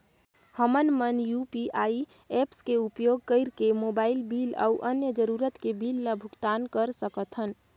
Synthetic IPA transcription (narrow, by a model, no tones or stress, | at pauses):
həmənmənjupiʔai | epskeupjoɡ̚kəɪɾkemobailbila̰uʔənjəd͡ʒəɾuɾət̪kebilːəbʱukt̪ankəɾsəkət̪ʰɦən